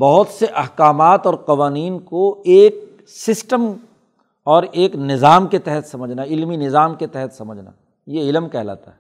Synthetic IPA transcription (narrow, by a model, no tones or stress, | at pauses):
bɐɦʊt̪seʔɐhkaːmaːt̪ɔːɾqɐʋaːniːnkoeːk̚ | sɪsʈəm | ɔːɾeːknɪzaːmket̪ɛɦɛt̪sɐməd͡ʒʱnaɪlminɪzaːmket̪ɛɦɛt̪sɐməd͡ʒʱna̰ | jeɪlmkɛɦla̰ːt̪aɦɛː